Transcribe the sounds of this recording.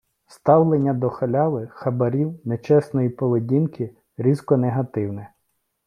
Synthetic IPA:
st̪ɑwlˠenʲːɐd̪ɔxɐlʲɑʋˠɪxɐbɐɾʲiwnet͡ʃɛsnɔjipɔʋedʲinkɪ | ɾʲizkɔneɦɐt̪ɪwnɛ

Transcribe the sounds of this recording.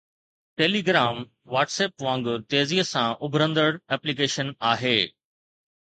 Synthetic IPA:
ʈeːliːɡɾaːm | ʋaːʈseːpʋãːŋɡʊɾt̪eːziːəsãʔʊbʱɾə̃nd̪əɽɛːplikeːʃənaːɦeː

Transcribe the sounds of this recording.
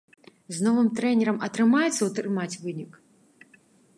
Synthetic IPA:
znɔvɨmt̪ɾɛnʲɛɾɐmɐt̪ɾɨmajɛt̪sːɐwt̪ɾɨmat͡sʲvɨnʲik

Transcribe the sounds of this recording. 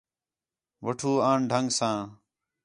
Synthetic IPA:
ʋəʈʰuːaːɳɖʱəŋɡsãː

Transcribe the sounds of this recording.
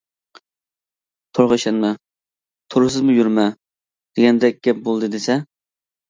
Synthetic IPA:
t̪ʰoɾʁəʃɛnmɛ | t̪ʰoɾɨsɨzmʊjyɾmɛ | d̪̥eɡʲɛnd̪ɛk̚ʲɡʲɛp̚bolˠd̪ɨd̪esɛ

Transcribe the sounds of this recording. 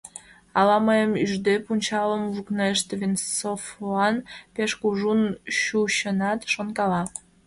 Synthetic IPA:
ɑlɑməjəmyʒd̪epunʲt͡ɕɑləmβukneʃt̪vinsofoɑnpeʃkuʒunɕuɕənɑt̪ʃonkɑlɑ

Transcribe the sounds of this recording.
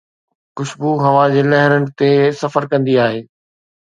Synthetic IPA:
kʊʃbuɦɐʋãd͡ʑeːlɐɦɪɾənɪ̆t̪esɐfəɾkɐ̃nd̪iaːɦeː

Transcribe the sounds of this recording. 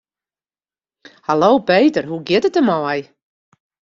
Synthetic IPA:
halowpejtərɦuɡɪtətəmɔɔj

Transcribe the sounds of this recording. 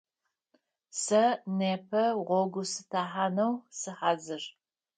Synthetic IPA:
sɐneːpʰɐʁʷɔɡʷʊsɨtʰaːħaːnɐwsɨħaːzɨr

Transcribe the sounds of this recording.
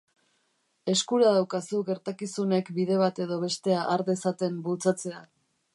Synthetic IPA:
e̞skuɾað̞awkasuɣe̞ɾt̪akisune̞kbiðe̞β̞at̪e̞ðo̞β̞e̞st̪e̞aʔːɾðe̞sat̪e̞mbult͡sat͡se̞a

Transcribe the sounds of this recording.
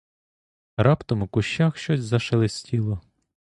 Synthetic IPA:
ɾɑpt̪ɔmʊkʊʃt͡ʃaxʃt͡ʃɔsʲzɐʃelˠɪsʲtʲilˠɔ

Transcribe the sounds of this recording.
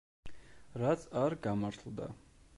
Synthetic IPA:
ɾat̪sʰaɾɡamaɾt̪ʰlˠd̪a̰

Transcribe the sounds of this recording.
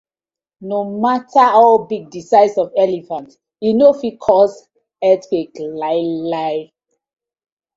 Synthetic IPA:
nomataɔbiɡ̚disaɪsɔvɛlifãnt | inofikʰɔs | ɛtkeklaɪla

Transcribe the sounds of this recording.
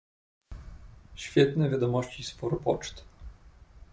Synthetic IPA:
ɕfʲjɛt̪nɛvʲjad̪ɔmɔɕt͡ɕispɔɾɔpɔt͡ʂt̪

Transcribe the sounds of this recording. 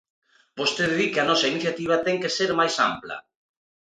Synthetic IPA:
bost̪eððikeanɔsainiθjat̪iβ̞at̪ɛŋkeseɾmajsa̰mplɐ̰

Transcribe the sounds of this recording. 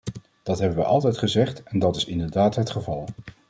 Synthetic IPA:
d̥ɑtɦɛbəʋəʔɑ̰lˠtɛjtχəzɛχtɛndɑtɪsɪndəɹdaːtɦətχəvɑlˠ

